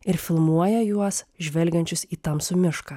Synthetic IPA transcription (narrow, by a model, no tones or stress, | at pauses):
ɪɾfʲɪlˠmuɔjɛjuɔsʒʲʋʲɛlʲɡʲɛnʲt͡ʃʲʊsiːt̪ɐmsʊmʲɪʃkɐ